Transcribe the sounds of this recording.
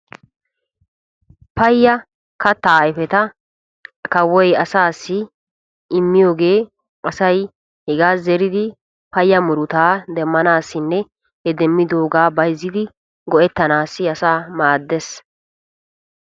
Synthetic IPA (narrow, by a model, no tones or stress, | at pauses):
pɐjːɐ | kɐt̪ːɐjɪfɛt̪ɐ | kɐwːɔjɐsaːsːɪ | ɪmːɪjo̞ːɡe̞ː | ɐsɐj | hɛɡaːzɛɾɪd̪ɪ | pɐjːɐmʊɾʊt̪aːd̪ɛmːɐnaːsːɪnːɛ | hɛd̪ɛmːɪd̪o̞ːɡaːbɐjzːɪd̪ɪ | ɡɔʔɛt̪ːɐnaːsːɪɐsaːmaːd̪ːɛs